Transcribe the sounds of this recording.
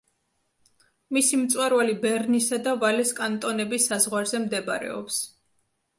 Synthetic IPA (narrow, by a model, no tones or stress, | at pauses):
misimt̪sʼwaɾvalibɛɾnisad̪avalɛskʼant̪ʼɔnɛbisːazʁwaɾzɛmd̪ɛbaɾɛ̰ɔ̰ps